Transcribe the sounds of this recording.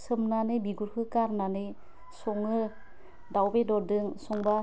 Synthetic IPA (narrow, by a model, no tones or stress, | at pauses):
sɯmnanɯbiɡuɾkʰɯkaɾnanɯ | sɔŋɯ | dawbedɔdɯŋsɔŋba